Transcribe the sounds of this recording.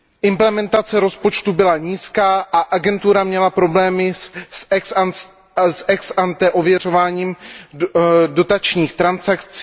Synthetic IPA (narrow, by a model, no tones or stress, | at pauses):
ʔɪmplɛmɛnt̪at͡sɛɾo̞spo̞t͡ʃt̪ubɪlaɲiːskaːʔaʔaɡɛnt̪uɾamɲɛlapɾo̞blɛːmɪs | sɛksant̪ɛʔo̞vjɛr̝o̞vaːɲiːm | do̞t̪at͡ʃɲiːxt̪ɾansakt͡si